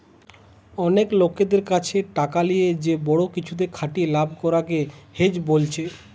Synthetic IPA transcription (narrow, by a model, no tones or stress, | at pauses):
ɔneklokːed̪eɾkat͡ɕʰeʈakalijed͡ʑebɔɽokit͡ɕʰud̪eɾkʰaʈielabʱkɔɾaɡehed͡ʑbolt͡ɕʰe